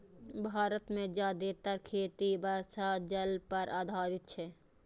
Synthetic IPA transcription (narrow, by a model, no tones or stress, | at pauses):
bʱaːɾət̪mẽd͡ʒaːd̪et̪əɾkʰeːt̪ibəːsad͡ʒəlpəɾʔaːd̪ʱaːɾɪt̪̚t͡ʃʰɛː